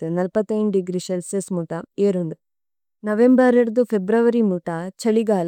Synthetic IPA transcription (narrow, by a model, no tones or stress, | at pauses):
t̪ːunɐlpɐt̪ːɐjɳɖɖiɡɾiselsesmuʈɐeːɾond̪u | nɐʋembɐɾeɽd̪upʰebɾɐʋɐɾimuʈɐt͡ʃɐɭiɡaːl